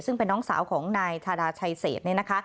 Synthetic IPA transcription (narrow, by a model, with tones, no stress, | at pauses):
sɯ˥˩ŋpe˧nːɔː˦˥ŋsa̰ː˩˦wkʰɔː˩˦ŋnaː˧jt̪ʰaː˧ɾaː˧t͡ɕʰa˧jsḛː˨˩t̪̚ni˥˩˨na˦˥kʰa˦˥